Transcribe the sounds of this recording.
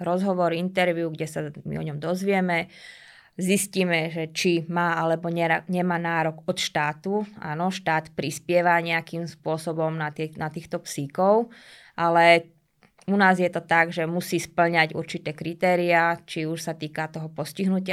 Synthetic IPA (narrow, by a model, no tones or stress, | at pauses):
ɾɔzɦɔʋɔɾint̪ɛɾʋjuɡɟɛsamḭɔ̰ɲɔmd̪ɔzʋɪɛmɛ | zisciːmɛʒɛt͡ʃimaːalɛbɔɲɛɲɛmaːnaːɾɔɡɔt̪ʃt̪aːt̪ua̰ːnɔʃt̪aːt̪pɾispɪɛʋaɲɛakimspʊɔsɔbɔmnat̪nat̪iːxt̪ɔpsikɔʊ | ʔalɛ | unaːzjɛt̪ɔt̪aɡʒɛmusiːspl̩ɲaɟṵɾt͡ʃit̪ɛːkɾit̪ɛːɾiat͡ʃiuʃsat̪iːkat̪ɔɦɔpɔsciɦnucɪa